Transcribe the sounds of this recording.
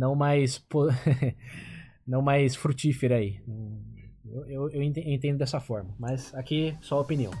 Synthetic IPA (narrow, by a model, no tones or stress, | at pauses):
nɐ̃w̃majspo | nɐ̃w̃majsfɾut͡ʃifeɾɐainɐ̃w̃ḛwewewẽt̪eẽnt̪ẽnd̪ʊd̪ɛsɐfɔɾmɐmɐzakisɔɐopiniɐ̃w̃